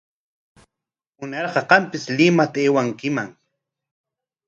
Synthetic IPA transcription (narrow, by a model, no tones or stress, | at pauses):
ʊnɑɾɢɑɢɑmpɪslɪmat̪aeːwaŋkɪmaŋ